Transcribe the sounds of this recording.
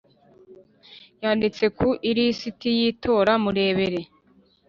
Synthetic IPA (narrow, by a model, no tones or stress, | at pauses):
jaːndit͡se̞kʰuʔiɾisitijiːtʰo̞ːɾamuɾe̞ːβe̞ɾe̞